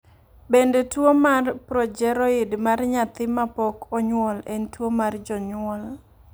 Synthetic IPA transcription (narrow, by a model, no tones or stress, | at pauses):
bendetwomarpɾɔd͡ʒɛɾɔɪdmarɲat̪ɪmapɔkɔɲwɔlentwomard͡ʒɔɲwɔl